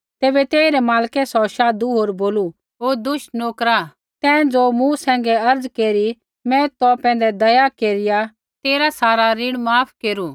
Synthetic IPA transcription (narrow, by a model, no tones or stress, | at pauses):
t̪eːbɛt̪eːiɾɛmaːlkɛsɔʃaːd̪uɦoːɾboːlu | ɦoːd̪ʊʃnoːkɾa | t̪ɛ̃ːd͡zoːmũsɛ̃ːŋɡɛɐɾd͡zkeːɾi | mɛ̃t̪ɔpɛ̃ːnd̪ɛd̪ɐjakeːɾɪja | t̪eːɾasaːɾaɾɪɽ̃maːpʰkeːɾu